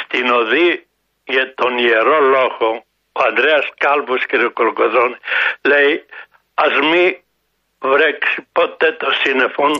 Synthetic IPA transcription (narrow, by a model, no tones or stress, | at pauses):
st̪inoði | jet̪onjeɾoloɣo | oand̪ɾeaskalβuskeɾokolokoðonelɛj | azmi | vɾeksipot̪et̪osinefon